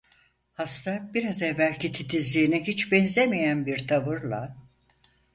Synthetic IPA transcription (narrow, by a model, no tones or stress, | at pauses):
hast̪ʰabiɾazɛvːælʲcʰit̪ʰit̪ʰizlʲiːniɦit͡ʃbɛnzemijænbiɾt̪ʰavɯɾlˠa